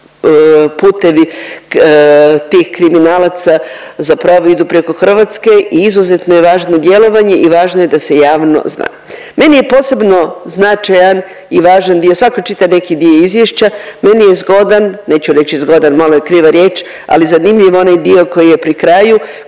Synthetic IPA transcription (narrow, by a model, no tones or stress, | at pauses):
puːt̪e̞ʋi | t̪iːxkɾiminaːlat̪sa | zapɾoʋoid̪upɾe̞ko̞xr̩ʋat̪ske̞ʔiizuze̞t̪nojeʋaːʒno̞d̪je̞lo̞ʋaɲe̞ʔiʋaːʒnoje̞d̪ase̞jaːʋno̰zna̰ː | me̞nije̞po̞ːse̞bno̞znat͡ʃajan | iʋaːʒand̪iosʋakot͡ʃit̪aʋne̞kid̪ioizʋjeʃt͡ɕame̞nijezɡo̞d̪anneːt͡ɕuɾe̞t͡ɕizɡo̞d̪anmalojekɾiːʋaɾʲje̞ːt͡ʃ | a̰lizanimʎiʋoo̞najd̪io̞ko̞jijepɾikɾaːju